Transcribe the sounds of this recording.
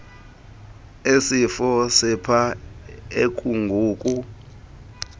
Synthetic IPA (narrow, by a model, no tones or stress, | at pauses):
esifɔsipʰaekʰʼuŋɡʱuːkʼu